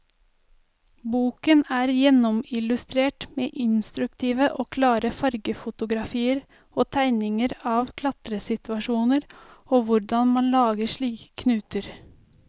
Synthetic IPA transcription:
buːkənæːɾjɛnɔmɪlʉst̪ɾeːʈmeːʔɪnst̪ɾʉk̚t̪ʰiːʋəʔoːkʰlɑːɾəfɑɾɡəfʊt̪ʊɡɾɑfiːəɾ | oːt̪ʰæɪnɪŋəɾɑːʋkʰlɑt̪ɾəsɪt̪ʋɑʃuːnəɾoːʋʊɾɖɑnmɑnlɑːɡəʃɭiːkkʰːnʉːt̪əɾ

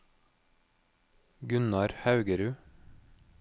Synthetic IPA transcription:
ɡʉnɑɾhɑʉɡəɾʉː

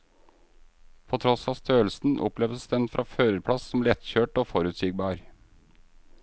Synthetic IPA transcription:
pʰɔːt̪ʰɾɔsɑːst̪ʰøːlsn̩ʔɔ̰plɛʋd̪əsd̪ɛnfɾʔɑːføːɾəɾpʰɽɑssɔmlɛt̪çøːʈoːfɔɾʉːt̪sɪːɡ̚bɑːɾ

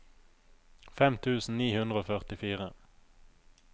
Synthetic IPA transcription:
fɛmt̪ʰʉːsn̩niːhʉnd̪ʁəoːfœʁt̪ɪfiːʁə

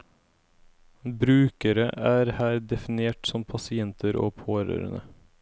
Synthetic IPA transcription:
bɾʉːkəɾəʔæːɾhæːɾd̪ɛfɪneːʈsɔmpʰɑsɪɛnt̪ʰəɾo̰ːpʰoːɾø̰ːɾə̰nə̰

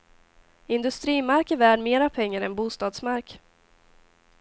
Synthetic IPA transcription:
ɪnd̪ɵst̪ɾiːmaɾkɪvæːɖmeːɾapʰɛŋːaɾɛnbuːst̪ɑːd̪smaɾk

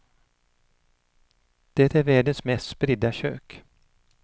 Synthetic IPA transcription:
d̪̥ɛt̪æɾvæːɖənsmɛst̪spɾɪd̪aɕø̰ːk

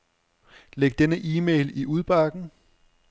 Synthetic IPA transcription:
leɡ̥̚d̥enəʔiːmḛɪliʔuð̞ˠb̥ɑ̈ɡ̥n̩

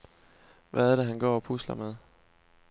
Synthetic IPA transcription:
ʋʔææɾæɦænɡ̥ɒ̰ːɒpʰuslɐmeðˠ

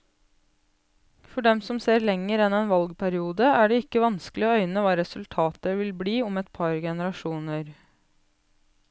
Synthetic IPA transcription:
fɔɖɛmsɔmseːɾlɛŋːəɾɛnɛːnʋɑlɡpʰæɾɪuːd̪əæːɖɛɪkːəʋɑnsklɪoːœʏnəʋɑːɾɛsʉlt̪ʰɑːt̪əʋɪlbliːɔmɛt̪pʰɑɾɡɛnəɾɑʃuːnəɾ

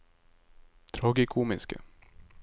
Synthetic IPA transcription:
t̪ʰɾɑːɡɪkʰuːmɪnskə̰

